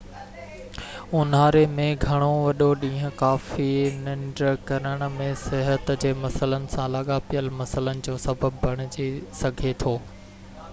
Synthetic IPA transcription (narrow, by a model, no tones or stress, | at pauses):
ʊnaːɾemẽɡʱɐɽ̃oʋɐɗoɗĩːɦə̃kaːfinɪ̃ɳɖɾkɐɾəɽ̃ə̆mẽsɪɦət̪d͡ʑeːmɐsələnɪ̆sãlaːɠapijəlmɐsələnɪ̆d͡ʑoːsɐbʱəbːʱɐɽ̃ɪd͡ʑisɐɡʱet̪ʰoː